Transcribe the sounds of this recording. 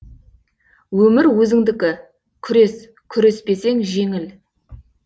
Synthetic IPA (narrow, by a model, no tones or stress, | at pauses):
wɵmɪɾwɵzɪŋd̪ɪkʲɪ | kʲʰʏɾe̞s | kʲʰʏɾe̞spe̞se̞ŋʒe̞ŋɪl